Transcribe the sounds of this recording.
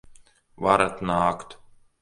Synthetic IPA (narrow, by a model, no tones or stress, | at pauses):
vaɾat̪naːkt̪